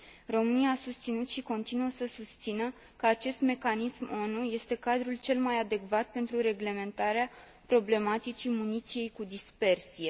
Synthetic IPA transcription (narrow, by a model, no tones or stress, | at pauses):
ro̞mɨnijaːsust̪sinut̪ʃiko̞nt̪inuəsəsust̪sinə | kəat͡ʃe̞st̪me̞kanismo̞nuje̞st̪e̞kad̪ɾult͡ʃe̞lmajad̪e̞kvat̪̚pe̞nt̪ɾuɾe̞ɡle̞me̞nt̪aɾea | pɾo̞ble̞mat̪it͡ʃimunit̪sije̞jkud̪ispe̞rsije̞